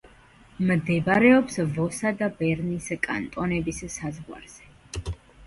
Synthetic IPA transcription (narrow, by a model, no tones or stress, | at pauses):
md̪ɛbɾɛɔpsvɔsad̪abɛɾniskʼa̰nt̪ʼɔnɛbissazʁwa̰ɾz̥ɛ